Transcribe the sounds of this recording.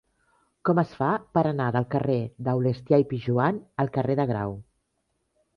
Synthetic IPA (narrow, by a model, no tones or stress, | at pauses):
kɔməsfapəɾənaðəlˠkəreðəwlest̪jajpiʒuanəlˠkəreðəɣɾa̰w